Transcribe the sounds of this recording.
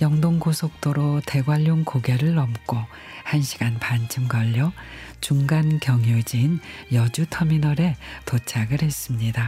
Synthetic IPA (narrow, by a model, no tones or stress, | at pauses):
jʌŋdoŋɡosʰok̚t͈oɾote̞ɡwaʎːoŋkoɡeɾɯɭːʌmk͈o | hanɕʰi̥ɡanpant͡ɕʰɯmɡʌʎːʌt͡ɕuŋɡankjʌŋjod͡ʑiːnjʌd͡ʑutʰʌminʌɾe̞tot͡ɕʰaɡɯɾhe̞s͈ɯmɲida